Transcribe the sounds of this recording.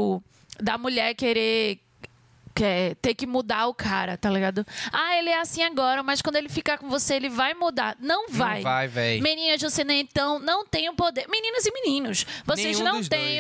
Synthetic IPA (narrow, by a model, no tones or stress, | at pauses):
ʊ | d̪ɐmuʎɛɾkeɾe | kɛt̪eɾkɪmud̪aʊkʰaɾɐt̪aliɡad̪ʊaelɪɛasĩaɡɔɾɐmɐjskwɐ̃nd̪ʊelɪfikakõvoseelɪvajmud̪a̰nɐ̃w̃vajvajvɛjmĩnĩnɐd͡ʒvosenẽẽt̪ɐ̃w̃nɐ̃w̃t̪ẽj̃ʊpod̪eɾmĩnĩnɐzɪmĩnĩnʊsvossezñnɐ̃t̪ẽj̃